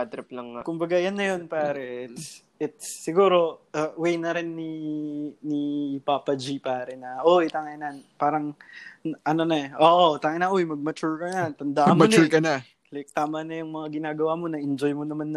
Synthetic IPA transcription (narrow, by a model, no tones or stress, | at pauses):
at̪ɾɐplɐŋkʊmbɐɡajanːɐjo̞npaːɾɐʔɪt̪s | ɪt̪̚sːɪɡuːɾo̞ɐwɛjnɐɾɪnːi | nipaːpɐd͡ʒipaːɾɐnɐʔojt̪aŋajnanpaːɾɐŋ | ʔɐnonɐʔoːʔot̪aŋajnɐʔojmɐɡ̚mɐt͡ʃʊɹkɐnɐt̪ɐnd̪aʔmɐmmnt͡ʃuɹkɐnɐ | lɪk̚t̪aːmɐnɐjʊŋmɐŋaɡɪnaːɡɐwamo̞nɐʔɪnd͡ʒo̞jmonɐmanːɐ